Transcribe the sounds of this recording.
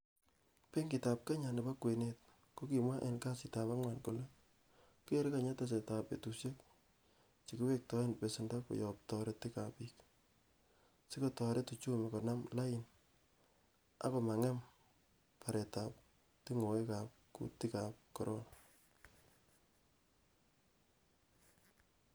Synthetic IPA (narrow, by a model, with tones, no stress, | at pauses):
pe˦ŋɡi˨ta˨p̚ka˦ɲa˨nɪ˨ba˦kwe˨net̚ | ko˦ki˨mwa˦ʔe˨nka˦sita˨pa˦ŋwa˨nku˨le˦ | ku˦e˦ɾɪ˦ka˨ɲa˦ta˦s̬e˨ta˨pḛ˨tu˨sje˦k̚ | t͡ʃi˨ku˦we˦k̚tɔ˦e˦npe˨sɪnda˦ko̰˨jɔ˨p̚tɔ˨ɾe˦tɪ˦kapi˦k | si˦ko˦tɔ˨ɾe˦tu˨t͡ʃo˦me˨kɔ˨na˦mla˦ɪ˨n | a̰˦ko˨ma˨ŋɛ˦m | pʰa˨ɾe˨ta˨p̚ | ti˦ŋo˨we˦ka˨p̚kṵ˨ti˦ka˨p̚kɔ˨ɾo̰˦na